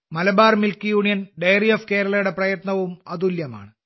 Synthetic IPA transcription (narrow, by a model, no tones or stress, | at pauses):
mɐlɐbaːrmilkijuːɳijɐnɖejrijɐfke̞ːɾɐlɐjuɽe̞prɐjɐt̪nɐʋumɐðuljɐma̰ːɳɨ